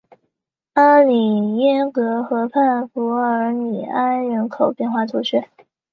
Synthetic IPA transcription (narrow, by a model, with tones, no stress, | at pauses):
a˥li˨˩jɛ˥nkɤ˧˥xɤ˧˥pʰa˥˩nfu˧˥ə˧˥ni˨˩a˥nɻə˧˥nkʰo˨˩ʊpjɛ˥˧nxwa˥˩t̪ʰu˧˥t͡ɕʰɥɛ˥˦